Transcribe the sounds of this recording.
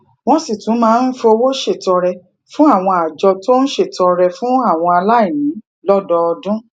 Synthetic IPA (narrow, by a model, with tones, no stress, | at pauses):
w̃ɔ̃˦si˦˨tũ˨˦mãː˦˧n̩˦fo˧o˧wo˦ʃe˦˨tɔ˧ɾɛ˧ | fũ˦a˦˨w̃ɔ̃˧a˨d͡ʒɔ˧to˦ñ̩˦ʃe˦˨tɔ˧ɾɛ˧fũ˦a˦˨w̃ɔ̃˧a˧la˦i˦˨nĩ˨˦ | lɔ˦dɔ˧ɔ˧dũ˦